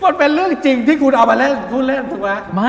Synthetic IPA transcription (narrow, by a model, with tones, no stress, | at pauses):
mo˧˥npe˧nɾɯ˥˩əŋt͡ɕi˧ŋt̪ʰiː˥˩kʰu˧nʔaː˧wmaː˧lɛː˦˥˩t̪ʰuː˦˥˩lɛ˦˥˩nt̪ɯ˧˩kwaː˦˥˩ma˦˥˩